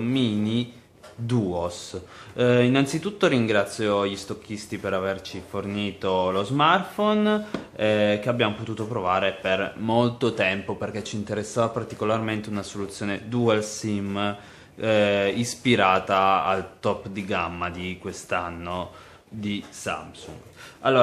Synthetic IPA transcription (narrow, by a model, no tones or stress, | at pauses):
miːni | d̪uːos | inant̪sit̪ut̪ːoɾiŋɡɾat̪sːjoʎist̪okːist̪ipeɾavert͡ʃiforniːt̪olozmart̪fonɛk̟eabːjamopot̪uːt̪opɾovaːɾepermolt̪ot̪ɛmpoperk̟et͡ʃːiːnt̪eɾesːaːvapart̪ikolarment̪eunasolut̪sːjoːned̪uelsim | ispiɾaːt̪aa̰lt̪ɔpːd̪iɡamːad̪ikwest̪anːo | d̪isa̰msṵŋɡalːoː